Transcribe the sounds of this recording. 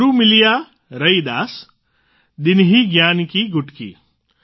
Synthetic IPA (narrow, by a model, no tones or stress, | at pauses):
ɾumilija | ɾɐjd̪aːs | d̪inɦiɡjaːnkiɡuʈkḭ